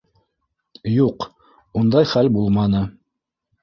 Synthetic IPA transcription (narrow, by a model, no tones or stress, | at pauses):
juq | und̪ɑjχælbulˠmɑnɤ